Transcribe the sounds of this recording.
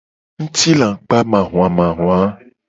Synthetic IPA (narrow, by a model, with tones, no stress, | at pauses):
ŋ̩̃˦t̪i˦lã˨k͡pa˦mã˨ɦũ˨ã˨mã˨ɦũ˨a˦